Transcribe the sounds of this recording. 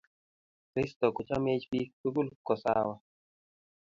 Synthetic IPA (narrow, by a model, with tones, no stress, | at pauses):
kɾɪ˦st̪ɔ˨ku˨t͡ʃa˦me˦t͡ʃpi˦pu˦bu˦lkɔ˨sa̰wa˨